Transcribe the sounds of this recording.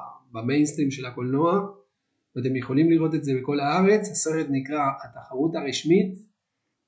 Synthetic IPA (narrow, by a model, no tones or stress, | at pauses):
bamejnst̪ʁimʃe̞lako̞lnoa | vat̪emjeχo̞limliʁo̞t̪̬e̞tze̞beko̞lhaaʁe̞t͡shaseχet̪nikʁahat̪aχaʁut̪aʁiʃmit̪